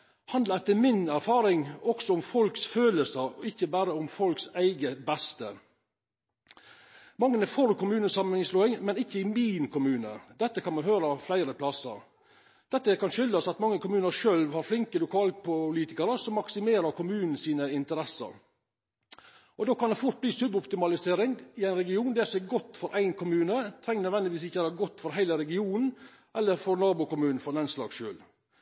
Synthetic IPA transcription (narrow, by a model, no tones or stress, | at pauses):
hɑnd̪ləɾɛt̪ːəmɪnæɾfɑːɾɪŋɔksɔʊmfɔlksføːləsəɾɔɪçːəbæːɾəʊmfɔlksæɪɡəbæst̪ə | mɑŋːənəfɔɾkʰʊmʉːnəsɑmənɪŋsloːɪŋmɛnɪçːəɪmiːnkʰʊmʉːnə̰d̪ɛt̪ːəkʰɑnmɑnɦhøːɾəɑflæɪɾəpʰlɑsə̰ɾ | d̪̥ɛt̪ːəkɑnʃʏld̪əsɑt̪mɑŋːəkʊmʉːnəɾʂøːlʋhɑɾflɪŋkəlʊkʰɑːlpʰʊliːt̪ɪkəɾəsɔmːɑksɪmeːɾəɾkʰʊmʉːnn̩siːnəɪnt̪əɾɛsə̰ɾ | ʔɔd̪oːkɑnd̪ɛfʊʈ̪̚bliːsʉbɔpt̪ɪmɑlɪseːɾɪŋɪæɪnɾɛɡɪuːnd̪ɛsɔɛɡɔt̪ːfɔɾʔæɪnkʰʊmʉːnət̪ʰɾɛŋːnœd̪ʋɛnd̪ɪʋiːsɪçːəæːɾəɡɔt̪ːfɔɾɦæɪləɾɛɡɪuːnn̩ | ʔɛlːəɾfɔɾnɑːbʊkʊmʉːnn̩fɔɾlɑnslɑ̰ːɡʂø̰ːl